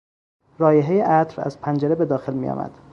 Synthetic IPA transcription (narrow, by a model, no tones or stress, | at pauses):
ɾɒːjeɦejeʔæt̪ɾæ̰zpʰænd͡ʒeɾebe̞d̪ɒːxelmijɒ̰ːmæ̰d̪̥